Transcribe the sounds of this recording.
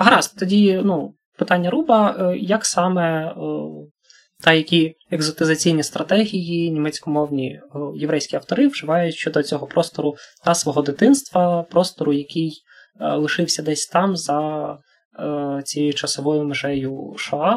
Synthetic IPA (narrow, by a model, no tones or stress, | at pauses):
ɦɐɾɑskt̪ɔdʲinu | pɪt̪ɑnʲːɐɾubɐjɐksɑmɛ | t̪ɐjɐkʲi | eɡzɔt̪ɪzɐt͡sʲijnʲist̪ɾɐt̪ɛɦʲijinʲimɛt͡sʲkɔmɔwnʲijeʋɾɛjsʲkʲiɐwt̪ɔɾɪʋʒ̥ɪʋɑjʊtʲʃt͡ʃɔd̪ɔt͡sʲɔɦɔpɾɔst̪ɔɾʊt̪ɐsʋɔɦɔd̪ɪt̪ɪnst̪ʋɐpɾɔst̪ɔɾʊjɐkɪj | lˠɪʃɪwsʲɐd̪ɛsʲt̪ɑmzɐ | t͡sʲijʊt͡ʃɐsɔʋɔjʊmeʒɛjʊʃɔɑ